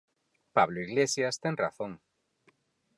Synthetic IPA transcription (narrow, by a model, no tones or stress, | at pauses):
paβ̞loiɣlesjast̪eŋraθõŋ